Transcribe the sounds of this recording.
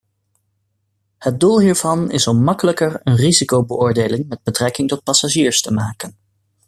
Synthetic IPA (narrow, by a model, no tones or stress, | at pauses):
həd̚dulˠɦiːɹv̥ɑnɪ̰sɔmmɑkələkəɹənrizikowbəʔʊːɹdeːlɪŋmɛd̚bətrɛkɪŋtɔt̚pɑsaʒiːɹstəmaːkən